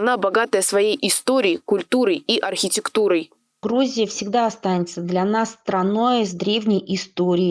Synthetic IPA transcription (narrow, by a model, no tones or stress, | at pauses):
ɐnabɐɡat̪əjəsvɐjejʔɪst̪oɾʲɪːkʊlʲt̪uɾəjiʔɐrxʲɪtʲɪkt̪uɾəj | ɡɾuzʲɪjəfsʲɪɡd̪aɐst̪anʲɪt̪səd̪lʲɐnasːt̪ɾɐno̞jzd̪ɾʲevnʲɪjʔɪst̪oɾʲɪː